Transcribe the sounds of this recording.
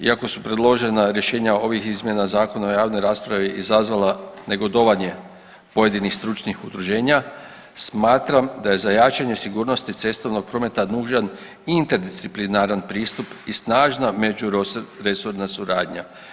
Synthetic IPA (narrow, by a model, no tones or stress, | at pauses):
ḭako̞supɾe̞d̪lˠo̞ʒe̞naɾje̞ʃe̞ːɲao̞ʋixizmje̞nazaːko̞naojaːʋno̞jɾaːspɾaʋiʔizazʋalane̞ɡo̞d̪o̞ʋaɲe̞ | po̞je̞d̪inixst̪ɾut͡ʃnixud̪ɾuʒe̞ːɲa | smaːt̪ɾamd̪aje̞zajat͡ʃaɲe̞siɡuːɾno̞st̪it̪se̞st̪oʋno̞ɡ̚pɾo̞me̞t̪anuːʒan | int̪eɾd̪ist̪iplinaɾanpɾiːst̪upisnaːʒname̞d͡ʒuɾe̞suɾnasuɾaːd̪ɲa